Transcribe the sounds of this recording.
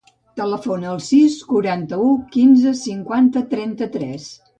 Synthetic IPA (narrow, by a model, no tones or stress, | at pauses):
t̪ələfonəːlˠsiskuɾant̪əukinzəsiŋkwant̪ət̪ɾɛnt̪ət̪ɾɛs